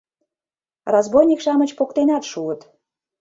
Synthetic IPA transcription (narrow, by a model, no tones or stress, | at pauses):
rɑzbojnʲikʃɑmə̆t͡ɕpokt̪enɑt̪ʃuət̪